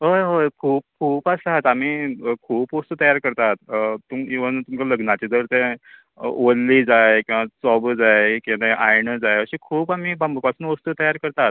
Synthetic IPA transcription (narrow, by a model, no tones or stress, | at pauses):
ɦəɦokʰuːp̚kʰuːpasaɦat̪am̤iːkʰuːpost̪uːt̪əjaɾkəɾt̪at̪t̪umiʋənt̪umt͡ɕaləɡnat͡ɕid͡z̪əɾt̪ɛ̰̃ | olːid͡zajkĩw̃ʋasɔbd͡zajkĩt̪eʔajɳəd͡zajəɕikʰuːpam̤iːbambəpasuːnʋost̪uːt̪əjaɾkəɾt̪at̪̚